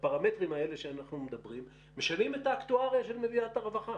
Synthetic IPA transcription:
paʁame̞tʁimae̞le̞ʃeanaχnumed̪abʁimː | e̞ʃalime̞taːktuaʁjaʃe̞lmeviataʁevaχa

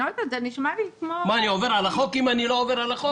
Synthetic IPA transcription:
ot̪azeniʃmalikmomaːnioveʁalaχokimaniloːveʁalaχo

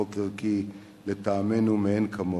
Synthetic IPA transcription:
okelki | let̪aːmenumenkʰɐmo

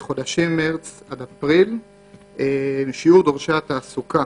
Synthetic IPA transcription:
χo̞d̪aʃimːeʁt͡sad̪apʁil | emiʃiuʁd̪oʁʃat̪aːsuka

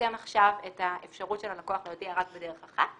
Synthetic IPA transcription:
emaχʃavetaefʃaʁutʃelalakoaχlejodiaʁak̚bedeʁeχaχa

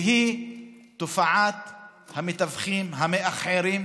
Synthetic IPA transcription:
ɦi | t̪ofaʕat̪ | hamet̪avχimɦameʔaχʕeɾim

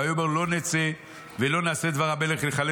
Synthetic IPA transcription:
ajobaulo̞net͡se | velo̞naːsed̪vaʁabeleχleχale

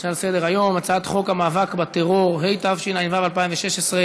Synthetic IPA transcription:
ʃalsed̪eʁajo̞mat͡saat̪χo̞kamaːvakbat̪eʁo̞ʁɦe̞jt̪avʃinajnvavalpaimveʃeʃesʁe

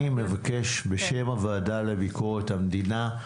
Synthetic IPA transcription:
imlevake̞ʃbeʃe̞mavaːdalebikoʁet̪hamd̪ina

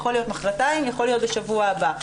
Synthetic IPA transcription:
χo̞lijo̞tmaχʁataimjaχo̞lːijo̞t̪̚beʃavuaːba

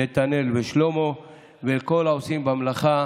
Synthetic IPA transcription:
et̪ane̞lbeʃlomo | veko̞laosimbamlaχa

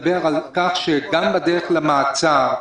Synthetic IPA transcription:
beʁalkaχʃeɡambad̪eʁeχlamaat͡saʁ

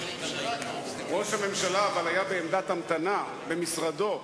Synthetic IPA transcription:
ʁo̞ʃhame̞mʃalaːvalajabe̞ːmd̪at̪amt̪ana | be̞misʁad̪o̞

